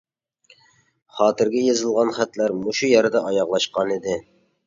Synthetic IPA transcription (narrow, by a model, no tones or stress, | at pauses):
χɑːt̪ɪɾɡʲɛjɑzɨlˠʁɑnχæt̪læɾmuʃujæɾd̪ɑʔɑjɑʁlˠɑʃqɑnid̪ɪ